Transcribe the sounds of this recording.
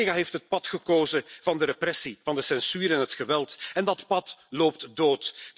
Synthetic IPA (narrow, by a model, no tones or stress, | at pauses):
ɣaɦeːftɦət̚pɑtxəkoːzəvɑndəɾeprɛsivɑndəsɛnsyːɾɛnɦətxəʋɛlˠtɛndɑtpɑtloːp̚tdoːt